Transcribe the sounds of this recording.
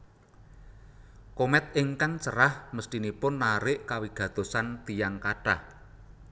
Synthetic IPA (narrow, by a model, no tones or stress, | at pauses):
komɛt̪̚ʔɪŋkaŋt͡ʃəɾahməst̪inipʊnːaɾɪʔkawiɡ̥ä̤d̪̥o̤sant̪ijaŋkaʈa̰h